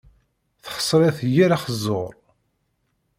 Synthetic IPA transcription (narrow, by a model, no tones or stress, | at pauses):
θχə̥sˤːɾæθjiɾaχəzːoɾˤ